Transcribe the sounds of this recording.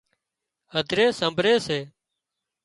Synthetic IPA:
əd̪ʱɾeːsəmbʱɾeːseː

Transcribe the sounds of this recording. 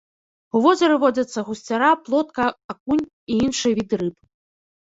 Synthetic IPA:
uvɔzʲɐɾɨvɔd͡zʲɐt̪sːɐɣusʲt͡sʲaɾaplˠɔt̪kɐakunʲ | iinʂɨjɛvʲid̪ɨɾɨp

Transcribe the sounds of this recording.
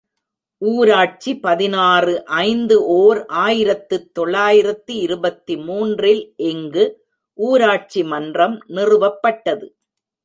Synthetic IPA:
ʔuːɾaːʈ̚t͡ʃipɐðɪnaːrɯʔɐɪnd̪ɯʔoːɾʔaːjɪɾɐt̪ːɯt̪ːɔɭːaːjɪɾɐt̪ːɯɪɾɯbɐt̪ːimuːndrɪlʔɛŋɡɯ | ʔuːɾaːʈ̚t͡ʃimɐndrɐmnɪrɯʋɐpːɐʈːɐðɯ

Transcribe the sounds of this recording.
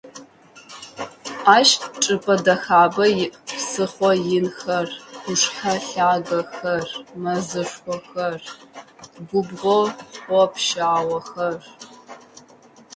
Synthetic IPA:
aːʃtʈ͡ʂʼɨpʰʼɐdɐxaːbɐjɪʔpsɨχʷɔjɪnxɐrʷʊʂħɐɬaːɡɐxɐrmɐzɨʂxʷɔxɐr | ɡʷʊbʁʷɔɔpʰʃaːwɐxɐr

